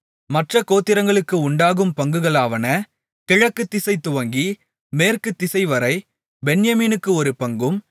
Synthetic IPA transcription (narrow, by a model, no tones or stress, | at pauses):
mɐʈrɐkoːt̪ːɪɾɐŋɡɐɭɯkːɯʊɳɖaːɣɯmpɐŋɡɯɣɐɭaːʋɐnɐ | kɪɻɐkːɯt̪ːɪsɐɪt̪ːʊʋɐŋɡi | meːrkɯt̪ːɪsɐɪʋɐɾɐɪ | bɛɳjɐmiːnɯkːɯɔɾɯpɐŋɡɯm